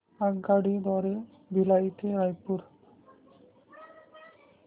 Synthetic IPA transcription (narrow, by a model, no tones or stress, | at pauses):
aɡɡaɽid̪ɔɾe | bilajt̪eɾajpuɾ